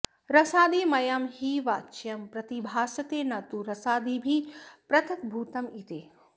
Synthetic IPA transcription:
ɾɐsaːd̪iːmɐjaːmhiːʋaːt͡ʃjɐmpɾɐt̪ibʱaːsɐt̪eːnɐt̪uɾɐsaːd̪iːbʱipɾɐt̪ʰɐkbʱuːt̪ɐmit̪eː

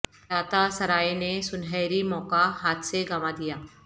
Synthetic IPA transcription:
ɾaːt̪asɐɾaːenesʊnɦɛːɾimɔːkaɦaːt̪ʰseɡɐmad̪ijaː

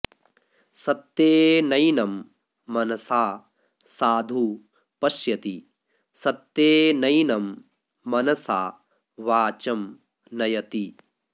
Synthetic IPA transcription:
sɐt̪ːeːnɐjnɐmː | ɐnɐsaː | saːd̪ʱu | pɐʃjɐt̪i | sɐt̪ːeːnɐjnɐmː | ɐnɐsaː | ʋaːt͡ʃɐm | nɐjɐt̪i

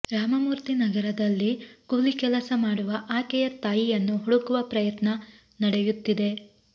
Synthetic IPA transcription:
ɾaːmɐmuːɾt̪inɐɡɐɾɐd̪ɐlːiɡolikɛlɐsɐmaːɽuʋɐʔaːkɛjɐt̪aːjijɐnːuɦuɽukuʋɐpɾɐjɐt̪nɐ | nɐɽejut̪ːid̪e̞

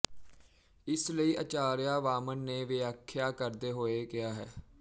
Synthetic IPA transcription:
ɪsləiːʔət͡ʃaːɾjaːʋaːmənːeːʋɪaːkʰːɪjaːkəɾd̪eːɦoːeːkɪaːɦɛː

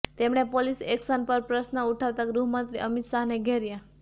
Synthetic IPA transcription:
t̪emɳ̃epoliseksənpəɾpɾəsnəuʈʰaʋt̪aɡɾuɦmənt̪ɾiʔəmit̪ʃaɦneɡʱeɾja

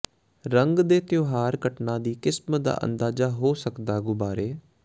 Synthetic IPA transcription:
ɾəŋɡd̪eːt̪ɪjoːɦaːɾɡəʈnãːd̪iːkɪsmd̪a̰ːʔə̰nd̪aːzaːɦoːsəkd̪aːɡʊbaːɾeː

